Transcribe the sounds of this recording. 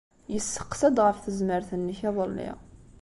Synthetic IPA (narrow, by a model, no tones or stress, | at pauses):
jəsːə̥qsəd̪ʁəfθəzməɾθənːəçɑðˤəlːḭ